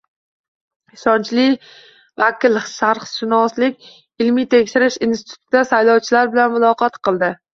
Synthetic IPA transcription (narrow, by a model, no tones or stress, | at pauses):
ʃɒnt͡ʃlɪ | vakʲɪlˠʃaɾχʃɪnɒslɪkʲ | ɪlmit̪ʰe̞kʲʃɪɾɪʃinsɪ̥tɪt̪ʰʊ̥t̪ʰɪd̪asajlɒwt͡ʃʰɪlaɾbɪlanmʊlˠɒqʰɑt̪qʰɨlˠd̪ɪ